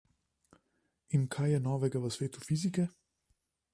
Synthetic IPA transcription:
inkʰajjɛnɔːʋɛɡaʋəsʋeːt̪ufizikɛ

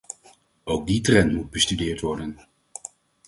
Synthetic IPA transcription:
owɡ̚ditrɛntmud̚bəstydɪːɹtʋɔɹdən

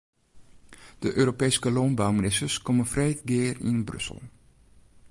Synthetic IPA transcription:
d̥əʔøːɾopejskəloːnbawminɪstəɹskɔmənfrejtɡɪːrɪ̰nbrɵ̰sə̰lˠ

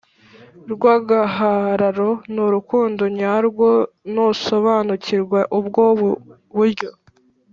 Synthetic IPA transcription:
ɾɡwaːɡaɦaɾaɾo̞nuɾukuːndoɲaɾɡwo̞ | noso̞βaːnuciɾɡweʔubɡo | βuɾɟo̞

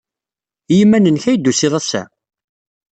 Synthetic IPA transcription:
jimːænənçæjd̪ːusiðˤæsæ̰

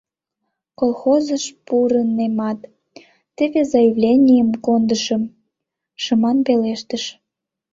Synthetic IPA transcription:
kolˠxozəʃpuɾənemɑt̪ː | əβezɑjəvlʲenʲijəmkond̪əʃəm | ʃəmɑnpeleʃt̪əʃ

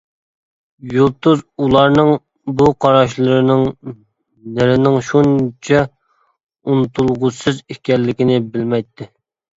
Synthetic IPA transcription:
julˠt̪ːuzulˠɑɾnɨŋ | buqʰɑɾɑʃ̬lˠɨɾɨnɨŋ | nɪɾɪnɪŋʃunt͡ʃʰɛ | unt̪ʰulˠʁʊsɨzikʲɛlːɪkʲɪnɪbɪlmɛjt̪ʰːɪ

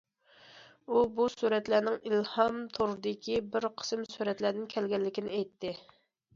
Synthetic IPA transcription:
ubusuɾɛt̪lænɪŋilhɑmt̪ʰoɾd̪ɪkʲʰibɪɾqʰə̥sɨmsuɾɛt̪læd̪ɪnkʲʰɛlɡʲɛlːɪkʲinɪɛjt̪ʰːɪ

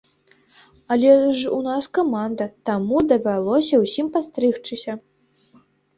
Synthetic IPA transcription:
alʲɛʐṵnaskamand̪ɐt̪amud̪ɐvʲalˠɔsʲɐwsʲimpast̪ɾɨxt͡ʂɨsʲɐ

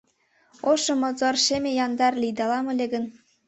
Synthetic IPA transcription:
oʃɤ̆mozorʃemʲejɑnd̪ɑrlʲijd̪ɑlɑmɤ̆lʲĕɡə̆n

